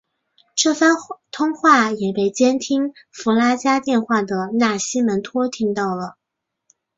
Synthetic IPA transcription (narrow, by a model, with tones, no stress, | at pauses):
ʈ͡ʂɤ˥˩fa˥nt̪ʰʊ˥ŋxwa˥˩jɛ˨˩pe˥˩ɪt͡ɕjɛ˥nt̪ʰi˥ŋ | fu˧˥la˥t͡ɕja˥t̪jɛ˥˧nxwa˥˩d̪ə˩na˥˩ɕi˥mə˧˥nt̪ʰwɔ˥t̪ʰi˥ŋt̪ɑ˥˩ʊlə˩